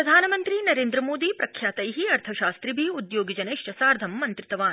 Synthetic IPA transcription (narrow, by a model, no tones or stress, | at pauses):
ɾɐd̪ʱaːnɐmɐnt̪ɾinɐɾeːnd̪ɾɐmoːd̪iːpɾʔɐkʰjaːt̪ɐjɦiɐɾt̪ʰɐʃaːst̪ɾibʱiud̪joːɡid͡ʒɐneːʃjɐsaːɾd̪ʱɐmːɐnt̪ɾit̪ɐʋaːn